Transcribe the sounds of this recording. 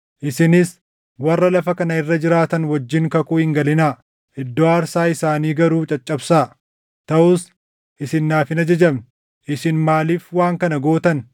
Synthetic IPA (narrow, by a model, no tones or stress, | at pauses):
ʔɪsɪnɪs | wɐrːɐlɐfɐkɐnɐɪrːɐd͡ʒɪɾaːt̪ɐnwɐd͡ʒːɪŋkɐkuːhɪŋɡɐlɪnaː | ɪd̪ːoːaːɾsaːɪsaːniːɡɐɾuːt͡ʃʼɐt͡ʃʼːɐbsaː | t̪ɐʔʊs | ʔɪsɪnːaːfɪnɐd͡ʒɐd͡ʒɐbn | ʔɪsɪnmaːliːfwaːŋkɐnɐɡo̞ːt̪ɐn